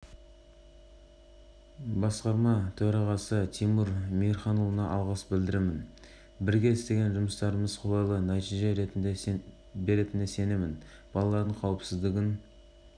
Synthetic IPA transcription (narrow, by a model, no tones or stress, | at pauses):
bɑsqɑɾmɑt̪ʰɵɾɑʁɑsət̪ʰijmuɾmijɾχɑnovˠənɑʔɑlˠʁɑsbɪld̪ɪɾemɪn | bɪɾɡʲe̞ɪst̪e̞ɡʲe̞nʒʊməst̪ɑɾəməzqʰo̞lˠɑjlˠənɑt̪ijʒeɾe | be̞ɾe̞t̪ɪnese̞ne̞mɪn | b̥ɑlˠɑlˠɑɾd̪əɴqʰɑwəpsɪzd̪ɪɡʲɪn